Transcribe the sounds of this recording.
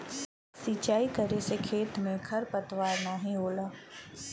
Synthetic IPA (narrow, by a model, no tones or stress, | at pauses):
sit͡ʃaːikəɾesekʰeːt̪mẽɡʰʱɐɾpət̪ʋaːɾnaːɦĩɦoːlaː